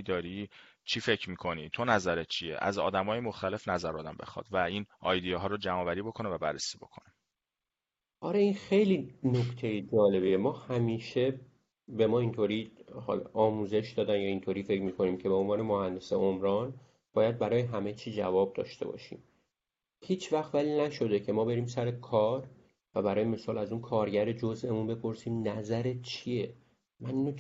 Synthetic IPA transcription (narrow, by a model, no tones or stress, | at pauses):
d̪ɒːɾi | t͡ʃʰiːfecʰɾmiːkʰo̞nit̪ʰonæzæɾet̪̚t͡ʃʰijḛʔæ̰zɒ̰ːd̪æmɒːjemoxt̪æle̞fnæzæɾɒːd̪æmbe̞̰xɒ̰ːd̪̥væiːnɒːjd̪ijeɦɒːɾod͡ʒæmɒːvæɾiːbo̞kʰonevæbærːesiːbo̞̰kʰone | ʔɒɾeinxejliːnokt̪ʰe̞jed͡ʒɒːle̞bijemɒːhæmiːʃe | be̞mɒːint̪ʰoɾiːhɒ̰ːl̰ʔɒːmuːze̞ʃd̪ɒːd̪ænjɒint̪ʰoːɾiːfe̞cʰmiːkʰo̞niːmcʰe̞beonvɒːne̞mohænd̪eseomɾɒːn | b̥ɒːjæd̪̚bæɾɒːjeɦæme̞t͡ʃʰiːd͡ʒævɒːb̚d̪ɒ̰ːʃt̪e̞̰bɒ̰ʃḭːm | hiːt͡ʃʰvæxt̪vælinæʃo̞d̪e̞cʰe̞mɒːbe̞ɾiːmsæɾekʰɒːɾ | væbæɾɒːjime̞sɒːlæzuːnkʰɒːɾɟæɾed͡ʒozʔe̞munbe̞pʰo̞ɾsiːmnæzæɾe̞t̪̚t͡ʃʰije | mæniːno